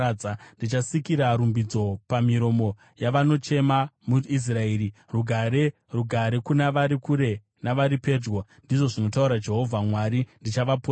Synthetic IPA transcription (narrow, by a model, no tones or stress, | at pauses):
andit͡ʃasikiɾaɾumbid͡zo̞pamiɾo̞mo̞ | jaʋano̞t͡ʃe̞mamuis̬raeːɾiruɡʱaɾe | ruɡʱaɾekunaʋaɾikuɾe̞ | naʋaɾipe̞ːd͡ʒwondiʐo̞ʐino̞tauɾad͡ʒe̞ɦo̞vʱamwaɾindit͡ʃaʋapo